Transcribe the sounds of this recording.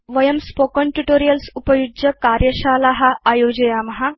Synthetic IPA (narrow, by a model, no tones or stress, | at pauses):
ʋɐjəmspokəɳʈuʈoːɾijəlsupəjud͡ʒɐkaɾjɐɕalaɦaajod͡ʑɐjamɐɦa